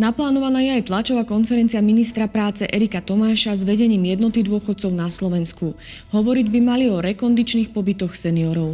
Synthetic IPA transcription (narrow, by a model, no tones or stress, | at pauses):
naplaːnɔʋanaːjɛajt̪lat͡ʃɔʋaːkɔnfɛɾɛnt͡siaminist̪ɾapɾaːt͡sɛʔɛɾikat̪ɔmaːʃazʋɛɟɛɲiːmjɛd̪nɔt̪id̪ʊɔxɔt̪̚t͡sɔʊnaslɔʋɛnsku | ɦɔʋɔɾiɟbimaliɔɾɛkɔnd̪it͡ʃniːxpɔbit̪ɔxsɛniɔɾɔʊ